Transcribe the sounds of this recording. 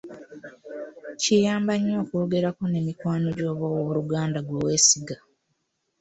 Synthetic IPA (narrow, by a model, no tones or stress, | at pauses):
cijaːmbaɲwoko̞ːɡe̞ɾako̞ne̞mikwaːno̞ɟo̞ːβawoβuɾuɡaːndaɡwowe̞ːsiɡa